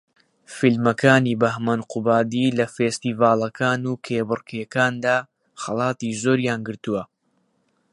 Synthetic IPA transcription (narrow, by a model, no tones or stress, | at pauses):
filmɐkʰaːniːbɐhmanqubaːd̪iːlɐfeːst̪iːvaːlˠɐkʰaːnuːkʰeːbɨrkʰjɐkaːnd̪aː | xɐlˠɑːt̪iːzoːɾjaːnɡɨɾt̪uwɐ